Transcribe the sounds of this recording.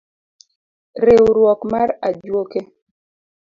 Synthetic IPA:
ɾewɾwɔkmaɾad͡ʒwoke

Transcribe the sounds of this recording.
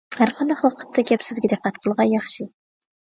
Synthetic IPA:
hæɾqʰɑnd̪ɑχlˠqʰə̥t̪ʰːɑɡʲɛpsyzɡʲid̪ɨqʰːæt̪qʰəlˠʁɑnjɑχʃi

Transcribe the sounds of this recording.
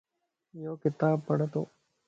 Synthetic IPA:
joːkɪt̪aːbpɐɽət̪o̰ː

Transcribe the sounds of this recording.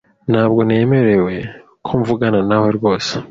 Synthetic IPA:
n̥haːbɡo̞neːme̞ɾe̞we̞ | kʰoɱvuɡananahoɾɡo̞ːse

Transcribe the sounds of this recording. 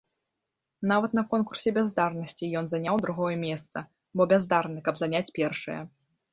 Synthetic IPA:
navɐt̪̚nɐkɔnkursʲɛbʲazd̪arnɐsʲt͡sʲijɔnzanʲawd̪ɾuɣɔjɐmʲɛst̪sɐ | bɔbʲɛzd̪arnɨkɐbzanʲat͡sʲpʲɛrʂɐ̰jɐ̰

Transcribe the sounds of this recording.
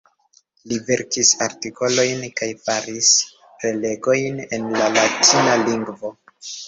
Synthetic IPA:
live̞ɾkisaɾtiko̞lo̞jnkajfaɾis | pɾe̞le̞ɡo̞jne̞nlalatʰinaliŋɡvo̞

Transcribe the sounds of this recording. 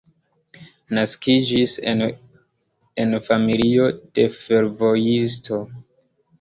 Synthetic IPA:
naskid͡ʒis | enfamilio̞d̥e̞fe̞ɾvo̞jis̬tʰo̞

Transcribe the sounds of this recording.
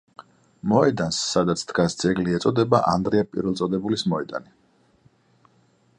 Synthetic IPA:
mɔɛd̪ansːad̪at̪sʰt̪ɡasd̪zɛɡliɛt̪sʼɔd̪ɛbaʔa̰nd̪ɾɛapʼḭɾvɛlˠt̪sʼɔd̪ɛbulismɔɛd̪a̰ni

